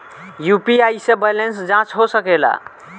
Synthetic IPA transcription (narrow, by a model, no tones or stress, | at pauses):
jupiajsẽbɛlensd͡ʒãt͡ʃɦosəkela̰